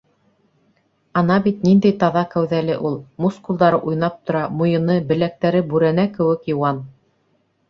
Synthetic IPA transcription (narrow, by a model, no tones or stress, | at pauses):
ɑnɑbit̪nind̪æjt̪ɑðɑkæwðælɘʔulˠmuskulˠd̪ɑɾɤʔujnɑp̚t̪ŏɾɑmŏjɤ̆nɤbɘ̆læk̚t̪æɾɘbʉɾænækɘ̆wɘ̆kjɤ̆wɑn